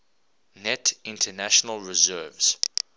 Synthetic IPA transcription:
nɛtʰɪ̃ntʰənæʃɔnəlˠɹɪzɜːvz̥

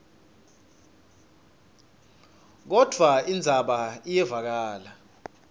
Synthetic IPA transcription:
k̬ɔd̥ʱwaind͡zʱaɓaijɛvak̬aːla

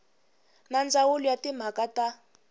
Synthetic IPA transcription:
nand͡zawulujatim̤akata

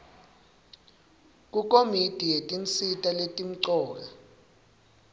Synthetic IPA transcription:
k̬ʼukʼomitʼijetʼint͡sʼitʼaletʼim̩ǀɔːla

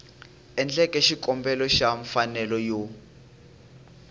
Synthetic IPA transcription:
ɛnd͡ɮɛkʼɛʃikʼɔmbɛlɔʃaɱfanɛlɔjo

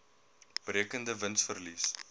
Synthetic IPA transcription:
b̥ɾiəkəndəvənsfərlis

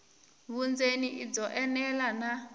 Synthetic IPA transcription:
βund͡zeniʔid͡zɔʔɛnɛlana

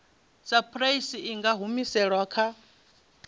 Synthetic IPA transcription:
sapʰʼɾaisiiŋɡaɦumisɛɺwakʰa

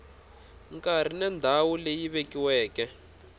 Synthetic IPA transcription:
ŋkʼar̤inɛnd̪ʱawulejiβekiwɛːkɛ

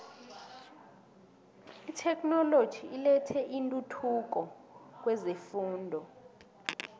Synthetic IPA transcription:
itʰɛknɔlo̥ʒ̥ʱiilɛtʰɛʔintʼutʰuk̬ɔk̬wɛzefuːndʱɔ

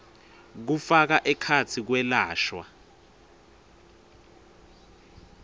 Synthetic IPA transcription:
k̬ufak̬aʔɛkʰatʰik̬wɛlaːʃwa̰

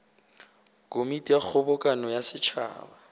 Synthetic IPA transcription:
kʼomitʼijak͡xʰɔbɔkʼanɔjasɪt͡ʃʰa̰ːba

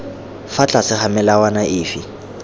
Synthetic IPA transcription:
fat͡ɬʼasɪχamɛlawanaʔɪːfi

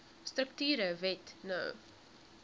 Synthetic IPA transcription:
stɾəktyːɾəvɛtnə̰w

